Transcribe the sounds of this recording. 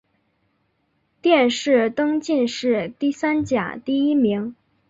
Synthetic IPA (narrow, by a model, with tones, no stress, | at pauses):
t̪jɛ˥˧nʂɻ̩˥˩t̪ɤ˥ŋt͡ɕi˥˧nʂɻ̩˥˧t̪i˥˩sa˥nt͡ɕja̰˨˩t̪i˥˩i˥mi˧˥ŋ